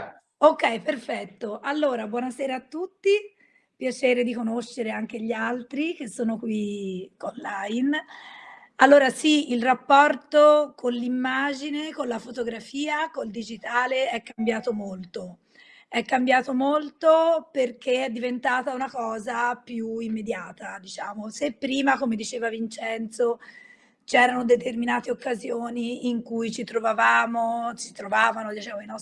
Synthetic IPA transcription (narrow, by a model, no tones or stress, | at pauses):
okːɛjperfɛt̪ːoʔalːoːɾabwɔːnasɛːɾaːt̪ːut̪ːi | pjat͡ʃeːɾed̪ikonoʃːeɾeaŋk̟eʎːialt̪ɾik̟esːoːnokwionlajin | alːoːɾasiilrapːɔrt̪okʰonlːimːaːd͡ʒinekolafot̪oɡɾafiːakold̪id͡ʒit̪aːleɛkːambjaːt̪omolt̪o | ɛkːambjaːt̪omolt̪operk̟eɛd̪ːivent̪aːt̪aunakɔːzapjuimːed̪jaːt̪ad̪it͡ʃaːmosepːɾiːmakomed̪it͡ʃeːvavint͡ʃɛnt̪so | t͡ʃɛːɾanod̪et̪erminaːt̪eokːazjoːniːŋkujt͡ʃit̪ɾovavaːmosi̥t̪ɾovaːvanod̪it͡ʃɛːmoinɔs